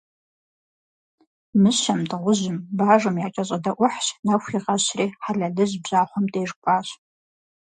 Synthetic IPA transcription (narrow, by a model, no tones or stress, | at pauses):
mɨɕɐmtʰʼɨʁʷʊʑɪmbaːʐɨmjaːt͡ʃʼɐɕʼɐdɐʔʷʊħɕnaxʷiʁɐɕriːħaɮɐɮɨʑbʑaːχʷʊmtʼeːʐkʷʼaːɕ